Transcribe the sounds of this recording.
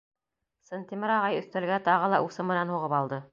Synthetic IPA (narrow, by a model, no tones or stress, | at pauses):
sɤ̆nt̪ʲimɘɾɑʁɑjɵ̆θt̪ælɡæt̪ɑʁɤlˠɑʔusɤmɘ̆nænhuʁɤpɑlˠd̪ɤ